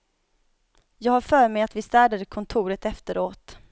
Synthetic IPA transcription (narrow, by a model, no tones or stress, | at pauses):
jɑːɡhaɾfœːɾmɛjat̪vɪst̪æːɖad̪əkʰɔnt̪ʰuːɾət̪ɛft̪əɾoːt̪